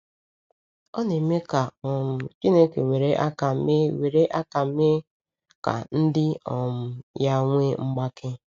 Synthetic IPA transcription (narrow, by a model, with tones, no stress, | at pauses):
ɔ˦ne˨me˦ka˨ɔ˨m̩˨t͡ʃi˦ne˦ke˨we˨ɾe˦ʔa˦ka˨˦e˦we˨ɾe˦ʔa˦ka˨˦me˦ | ka̰˨n̩˦dɪ˦ɔ˨m̩˨ja˦ŋʷe˦ŋ͡m̩˦ɡ͡ba˦kʰɪ˦